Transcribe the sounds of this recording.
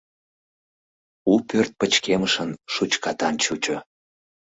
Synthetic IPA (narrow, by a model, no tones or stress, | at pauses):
upørt̪̚pət͡ɕkeməʃənʃut͡ɕkɑt̪ɑnt͡ɕut͡ɕo